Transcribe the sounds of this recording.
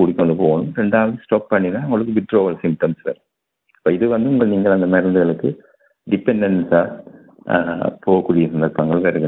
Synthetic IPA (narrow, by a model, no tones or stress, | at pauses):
ʊɽɪkːɐ̃nd̪ɯpoːɣɐnɯmɾɛɳɖaːʋɐðɯ̃sʈoːpːɐɳːinaːʊŋɡɐɭɯk̬ːɯbɪʈːɾoːʋɐɭsɪmp̚ʈɐmsʋḛːɾ | ɐpːoːɪðɯʋɐnd̪ɯʊŋɡɐɭniːŋɡɐɭɐnd̪ɐnɐɾɐnd̪ɯɣɐɭɯkːɯ | ɖɪpɛɳɖɐnsaː | poːɣɐkːuːɽɪjɐsɐnd̪ɐɾpːɐŋɡɐɭʋeɾɯkːɐ